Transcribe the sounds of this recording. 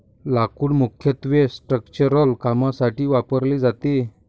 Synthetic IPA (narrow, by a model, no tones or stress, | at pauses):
lakuːɽmukʰjət̪ʋesʈɾəkt͡ɕəɾəlkamasaʈiːʋapəɾlid͡zat̪i